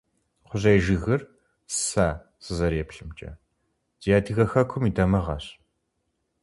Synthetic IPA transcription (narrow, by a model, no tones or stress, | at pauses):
χʷʊʑejʒɨɣɨr | saː | sɨzɐɾeːpɬɨmt͡ʃʼɐ̰ | z̥iaːdʰiɣɐxɐkʷʰʊmiːdɐmɐʁɐ̰ɕ